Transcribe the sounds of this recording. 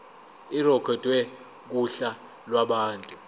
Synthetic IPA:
irɔkʰɔtʼwɛ | k̬uɬa | lwaɓaːntʼu

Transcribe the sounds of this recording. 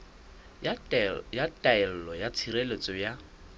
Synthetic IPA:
jatʼaɛl̩lɔjat͡sʰiɾelet͡sʼɔja

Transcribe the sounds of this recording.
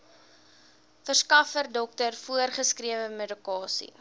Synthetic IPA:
fərskɐfərdɔk̚tərfuərχəskriəvəmedykɑːsḭ

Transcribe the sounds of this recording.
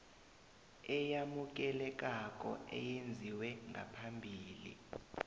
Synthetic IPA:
ɛjamuk̬ɛlɛk̬ʼak̬ʼɔ̰ɛ̰jend͡zʱiwɛŋɡʱa̰pʰambʱiːlḭ

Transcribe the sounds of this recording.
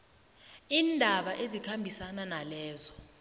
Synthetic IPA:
iːndʱaɓaʔezikʰambʱisananalɛːzɔ

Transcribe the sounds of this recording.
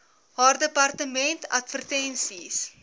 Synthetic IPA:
ɦaːrdəpɐrtəmɛntɐ̰tfərtɛnsis

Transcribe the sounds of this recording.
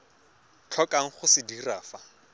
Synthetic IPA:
t͡ɬʰɔkʼaŋ̩χʊsɪdiraːfa

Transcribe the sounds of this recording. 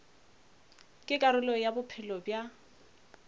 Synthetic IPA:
kʼɪkʼaɾʊlɔjabʊpʰɪlɔbja

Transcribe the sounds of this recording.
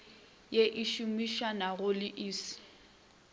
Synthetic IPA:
jeʔiʃumiʃanaɣʊlɪʔiːsɪ̥

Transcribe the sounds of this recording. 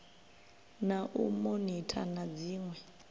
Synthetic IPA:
naʔumonitʰa̰nad͡ziːŋwɛ

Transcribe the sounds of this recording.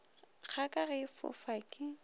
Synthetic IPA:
k͡xʰakʼaɣɛɪfʊ̰fakʼɪ

